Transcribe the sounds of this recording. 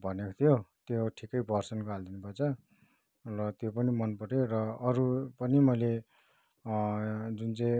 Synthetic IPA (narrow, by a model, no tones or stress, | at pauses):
bʱʌnekʰt̪ʰijot̪joʈʰikʌjbʱʌrsʌnkald̪inupʌt͡sʰʌ | rʌt̪jopʌnimʌnpʌʈerʌːɾupʌnimʌjle | d͡zunt͡sʌ̃ĩ